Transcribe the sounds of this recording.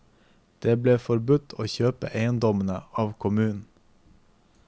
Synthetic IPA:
d̪̥eːbleːfɔɾbʉt̪ʰo̰ːçøːpə̰ʔeɪənd̪ɔmənəɑːʋkʰʊmʉːn̩

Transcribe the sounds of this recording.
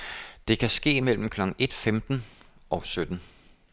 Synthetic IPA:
d̥e̝kʰæsɡ̥e̝̰ːmel̰m̩kʰlɒ̽ɡ̥ŋ̩e̝d̥femd̥n̩ʔɒ̽sød̥n̩

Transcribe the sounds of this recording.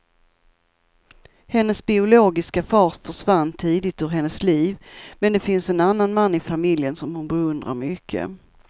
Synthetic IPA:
hɛnːəsbɪʊloːɡɪskafɑːt̪fœʂvanːt̪ʰiːd̪ɪt̪ɵɾɦɛnːəsliːvmɛnd̪ɛfɪnsɛnanːanmanːɪfamɪljənsɔmhʊnbɛɵnd̪ɾa̰ɾmʏkʰːə̰

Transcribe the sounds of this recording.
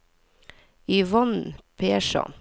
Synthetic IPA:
iʋɔnpʰeːʃɑ̰

